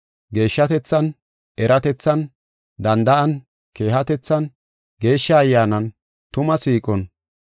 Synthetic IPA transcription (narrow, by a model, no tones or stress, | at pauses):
ɡe̞ːʃːɐt̪ɛt͡sːɐn | ʔɛɾɐt̪ɛt͡sːɐn | d̪ɐnd̪ɐʔɐn | ke̞ːhɐt̪ɛt͡sːɐn | ɡe̞ːʃːɐːjːaːnɐn | t̪ʊmɐsiːkʼɔn